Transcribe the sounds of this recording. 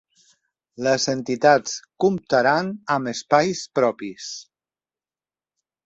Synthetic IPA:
ləzent̪it̪at͡skumt̪aɾanəməspajspɾɔpis

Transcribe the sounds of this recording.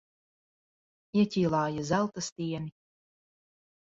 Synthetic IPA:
iɛtʲiːlˠɑːjazælˠt̪ast̪iɛni

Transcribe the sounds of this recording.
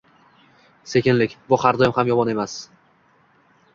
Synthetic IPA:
se̞kʲɪnlɪkʲbʊχaɾd̪ɒjɪmhamjɒmɒne̞mas

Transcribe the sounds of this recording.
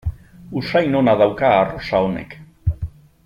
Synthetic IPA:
usajnonaðawkaːrosaonḛk

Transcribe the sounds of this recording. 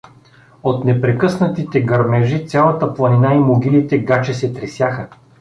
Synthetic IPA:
ot̪nɛpɾɛkɤsnət̪it̪ɛɡɐɾmɛʒit̪sʲalˠət̪əplˠɐninaimoɡʲilit̪ɛɡat͡ʃɛsɛt̪ɾɛsʲjaxə

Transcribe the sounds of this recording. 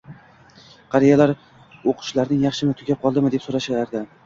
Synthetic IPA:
qʰɑɾijalaɾ | oqʰʊ̥ʃlaɾnɪŋjɑχʃɪnɪt̪ʰʊɡʲap̚qʰɒlˠd̪ɪmɪd̪e̞psoɾaʃalaɾd̪a

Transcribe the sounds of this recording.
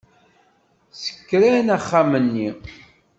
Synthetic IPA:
sə̥kːɾænæχːamənːi

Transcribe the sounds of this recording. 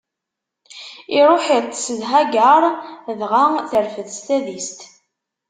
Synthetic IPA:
iɾˤoħit̪ˤːsəðɦæɡəɾˤðʁaθəɾfəðst̪æðist̪

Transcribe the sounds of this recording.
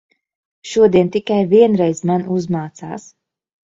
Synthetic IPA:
ʃuɔd̪iɛnt̪ikajviɛnɾɛjzmanuzmaːt̪saːs

